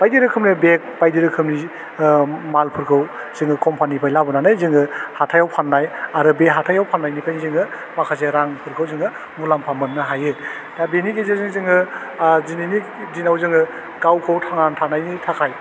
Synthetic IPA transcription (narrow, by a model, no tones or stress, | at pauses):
b̥ajdiɾɯkʰɯmnibek̚bajdiɾɯkʰɯmni | malpʰɯɾkʰɯw | z̥ɯŋɯkɔmpʰanipʰajlabɯnanɯjzɯŋɯhatʰajawpʰanːajaɾɯbeɦatʰajawpʰanːajnipʰajnizɯŋɯ | makʰazeɾaŋpʰɯɾkʰɯwzɯŋɯ | mulampʰamɯnːɯɦajɯ | dabenikezezɯŋzɯŋɯ | zinini | dinawzɯŋɯ | ɡawkʰɯwtʰaŋantʰanajnitʰakʰaj